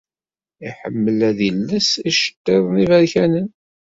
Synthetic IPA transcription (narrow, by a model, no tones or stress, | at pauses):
iħə̰mːəlæðilːəsiʃə̥t̪ːɪðˤnivæɾçænən